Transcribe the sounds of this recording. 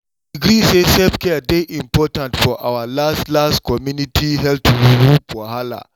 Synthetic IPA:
aɡɾisesɛpkɛdeʔĩmpɔtãntfɔʔawalastlastkɔmjunitʰiɦɛl̚tʰuwiɾupʰɔhala̰

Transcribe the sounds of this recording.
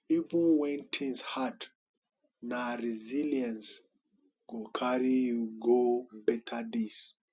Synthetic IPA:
ivĩnwɛ̃ntʰĩŋshad | naɾiziliãns | ɡ̥okʰaɾijuɡobɛtʰadis

